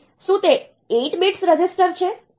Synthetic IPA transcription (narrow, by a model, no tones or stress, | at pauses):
ʃũt̪e | eʈmiʈsɾəd͡ʒɪsʈəɾt͡ʃʰe